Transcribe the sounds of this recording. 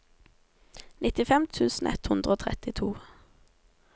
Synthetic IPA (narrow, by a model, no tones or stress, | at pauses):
nɪt̪ɪfɛmt̪ʰʉːsn̩ʔɛ̰t̪hʉnd̪ʁəoːt̪ʰʁɛt̪ɪt̪ʰuː